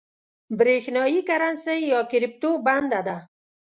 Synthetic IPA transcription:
bɾexnɔikaɾansejjɒkiɾip̚t̪oband̪ad̪a

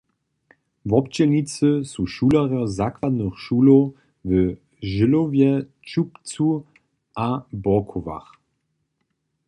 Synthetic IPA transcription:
vɔp̚t͡ɕɛnit͡səsuʃuːlaʁjəzakvad̪nəχʃuːlo | və | ʒɪlovjɛ | t͡ʃupt͡su | ʔabɔkʰova̰χ

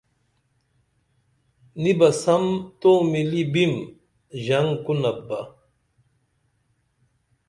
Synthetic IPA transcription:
nibɐsɐmt̪oːmilibim | ʑɐŋkunɐbːɐ

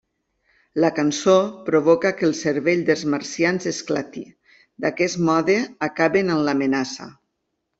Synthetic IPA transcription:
lakansopɾoβ̞okakelˠseɾβeʎd̪elˠzmaɾsjanzesklat̪i | d̪akɛsmɔðeakaβenamlamenasa̰

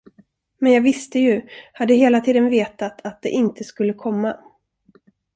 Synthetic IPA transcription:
mɛnjɑːɡvɪst̪əjɵhad̪ːəɦeːlat̪ʰiːd̪ənveːt̪at̪ʰat̪̚d̪ɛ̰ʔɪnt̪ʰəskɵlːəkʰɔmːa

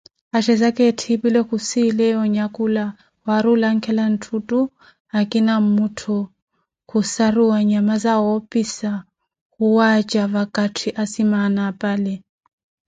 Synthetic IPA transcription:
aʃɛzakʼɛtʰibilɔkusilɛɔɲakʼula | waɾulaŋ̩kʰɛlan̩tʰutʼu | akʼinamutʰu | kusaɾuwaɲamazawɔpʼisa | kuwat͡ʃʼavakʼatʰiʔasimanapʼalɛ

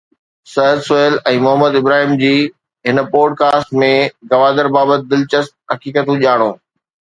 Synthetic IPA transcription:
sɐɦd̪sʊeːlɛ̃ːmʊɦəmːəd̪ɪbɾaːɦiːmd͡ʑiː | ɦɪnpɔːɖkaːsʈmẽɡɐʋaːd̪əɾbaːbət̪̚d̪ɪlt͡ɕəst̪̚ɦɐkiːkət̪ũʄaːɽ̃oː

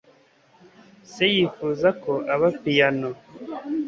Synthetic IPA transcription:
sejiːfuːzakoʔaβapijano

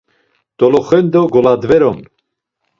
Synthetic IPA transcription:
t̪ɔlɔχɛnd̪ɔɡɔlad̪vɛɾɔn

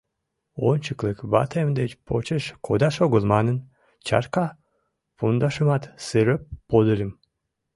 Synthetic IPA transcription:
ont͡ʃʰɯklˠɯkbɑ̰t̪ʰemd̪et͡ʃpʰot͡ʃɯʃkʰod̪aʃoɡulˠmɑnɯn | t͡ʃʰɑ̰ɾka | pund̪ɑʃɯmɑt̪sɨɾøp̚bod̪ɯɾɯm

